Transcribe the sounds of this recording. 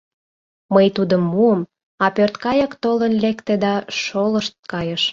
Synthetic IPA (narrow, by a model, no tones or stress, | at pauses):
məjt̪ud̪əmːuəm | ɑpørt̪kɑjəkt̪olənlekt̪ed̪ɑʃoləʃt̪̚kɑjəʃ